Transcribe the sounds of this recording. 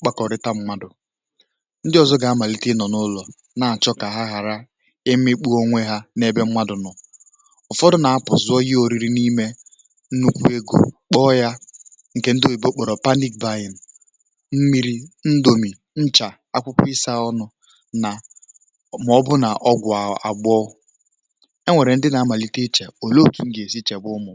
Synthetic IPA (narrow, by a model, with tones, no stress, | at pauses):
k͡pa˦kɔ˨ɾɪ˦ta˦m̩˦ma˦dʊ˨ | n̩˦dɪ˦ɔ˨zɔ˦ɡa˨a˦ma˨li˦tɪ˦nɔ˨nʊ˦lɔ˨ | na˨a˨t͡ʃɔ˦ka˨ɦa˦ɦa˨ɾa˦ | ɪ˦ɪ˦k͡pu˦o˦ŋʷe˦ɦa˦ne˦be˦m̩˦ma˦dʊ˨nɔ˨ | ɔ˨fɔ˦dʊ˦na˨a˦pʊ̰˨zʊ˦ɔ˦ji˦o˨ɾi˦ɾi˦ni˦me˦ | n̩˦nu˦kʷu˦e˦ɡo̰˨k͡pɔ˦ja˦ | ŋ̩˨ke˨n̩˦do˦˨i˨bo˦k͡pɔ˨ɾɔ˨pa˦ni˦k̚ba˦ji˨n˨ | m̩˦mi˦ɾi˦n̩˦do˨mi˨ | n̩˦t͡ʃa˨ | a˦kʷʊ˦kʷɪ˦sa˦ɔ˦nʊ˦ | na˨ | m˨ɔ˦bʊ˦na˨ʔɔ˦ɡʷʊ˨a˨a̰˨ɡ͡bɔ˦ʊ˦ | e˦ŋʷe˨ɾe˨n̩˦dɪ˦na˨a˦ma˨li˦te˦t͡ʃe˨o˨lo˦ki˨ŋ̩˦ɡe˨si˦t͡ʃe˨bʊ˦ʊ˦mʊ˨